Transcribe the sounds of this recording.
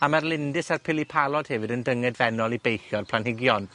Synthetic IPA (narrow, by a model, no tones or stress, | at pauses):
amarlˠɪndɪsarpʰɪlˠipʰalˠɔd̥hɛvɪdəndəŋɛdvɛnɔlˠibejxjɔrpʰl̥ˠanhɪɡjɔn